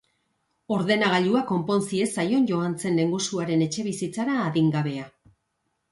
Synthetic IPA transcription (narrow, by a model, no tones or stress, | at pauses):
o̞ɾðe̞naɣ̞aʎuako̞mpo̞nsie̞sajo̞nʝo̞ant͡se̞nle̞ŋɡusuaɾe̞ne̞t͡ʃe̞βisit͡saɾaːðiŋɡaβe̞a